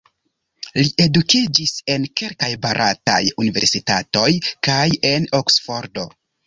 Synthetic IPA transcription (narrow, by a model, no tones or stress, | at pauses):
liʔe̞dukid͡ʒise̞nke̞lkajbaɾʔa̰ta̰junive̞ɾsitato̞jkaje̞noksfo̞ɾdo̞